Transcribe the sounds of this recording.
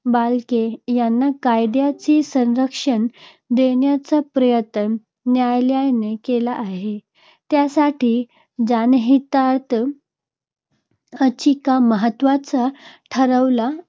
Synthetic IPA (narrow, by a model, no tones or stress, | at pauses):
balkejanːakajd̪jat͡sisə̃nɾəkʂən | d̪eɳjat͡sapɾəjət̪ənː | jajljajnekelaʔːɦe | t̪jasaʈiː | d͡zanɦit̪at̪ | ət͡ɕikaməɦət̪ʋat͡saʈʰəɾəʋla